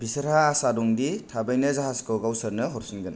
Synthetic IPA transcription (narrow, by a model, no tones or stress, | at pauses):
bisɐɾhaːsadɔŋditʰabajnɯzaɦaskowɡawsɐɾnɯɦɔɾsinɡɯn